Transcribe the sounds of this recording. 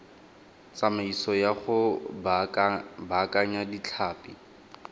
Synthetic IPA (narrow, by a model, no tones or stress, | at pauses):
t͡samaisɔjaχʊ | bakʼaɲadit͡ɬʰaːpi